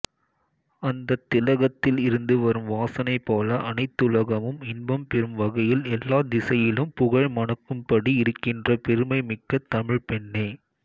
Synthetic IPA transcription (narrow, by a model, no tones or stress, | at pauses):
ɐnd̪ɐt̪ːɪlɐɣɐt̪ːɪlɪɾɯnd̪ɯʋɐɾɯmʋaːsɐnɐɪpːoːlɐʔɐnɐɪt̪ːʊlɐɣɐmɯmɪnbɐmpɛɾɯmʋɐɣɐjɪlɛlːaːd̪ɪsɐjɪlɯmpʊɣɐɻmɐɳɐkːɯmpɐɽiɪɾɯkːɪndrɐpɛɾɯmɐɪmɪkːɐt̪ːɐmɪɻpɛɳːeː